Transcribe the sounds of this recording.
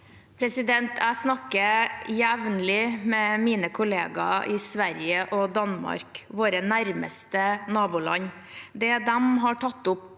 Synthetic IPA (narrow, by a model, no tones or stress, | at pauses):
pʰɾɛsɪd̪ɛnt̪ʰæɪsnɑkːəjæʋnəlɪmɛmiːnəkʰʊleːɡɑ̰ʔɪsʋæɾɪjəʔɔd̪ɑnmɑ̰ɾkʋoːɾənæɾmə̰st̪ənɑːbuːlɑ̰ɲ | d̪ɛd̪ɛmɦɑʈʰɑt̪ːʊp